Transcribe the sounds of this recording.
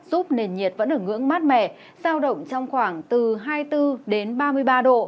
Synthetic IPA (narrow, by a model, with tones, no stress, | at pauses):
z̥u˦˥p̚ne˨˩nɲi˨˩ət̚və̰˧˥nʔəː˧˩ŋɨ̰˧˥əŋmaː˦˥t̚mɛ̰˧˨ | z̥aː˧wɗə̰˧˨wŋ͡mt͡ɕɔ˧wŋ͡mxwaː˧˩ŋt̪ɨ˨˩ɦaː˧jt̪ɨ˧ɗe˨˦nɓaː˧mɨ˧əjɓaː˧ɗo̰˧˨